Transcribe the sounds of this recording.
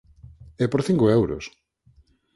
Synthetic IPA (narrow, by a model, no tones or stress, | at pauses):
ɛpoɾθiŋkoewɾo̰s